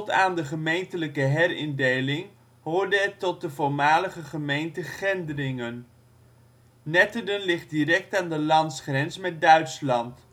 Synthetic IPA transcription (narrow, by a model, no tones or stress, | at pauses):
taːndəχəmejntələkəɦɛrɪndejlɪŋ | ɦʊːɹdəɛtɔt̚dəvʊɹmaːləχəχəmejntəχɛndərɪŋən | nɛtədənlɪχt̚dirɛk̚taːndəlɑntsχrɛnsmɛt̚dœɥtslɑnt